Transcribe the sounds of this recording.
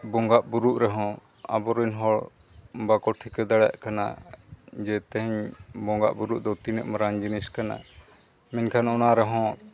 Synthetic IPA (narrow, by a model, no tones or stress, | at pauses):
bɔŋɡaʔbuɾuʔɾɛɦɔ̃a̰bɔɾunɦɔɭ | bakɔʈʰikɛd̪aɽa̰ʔkana̰ | d͡ʒɛt̪ɛɦɛɲbɔŋɡaʔbuɾuʔd̪ɔt̪inɛʔmaɾaŋd͡ʒiniskana̰ | mɛnkʰanɔnaɾɛɦɔ̃